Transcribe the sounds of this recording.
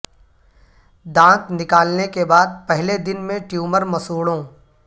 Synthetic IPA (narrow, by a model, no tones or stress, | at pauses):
d̪ãːknɪkaːlnekebaːd̪̚pɛɦled̪ɪnmẽʈjuːməɾmɐsuːɽõː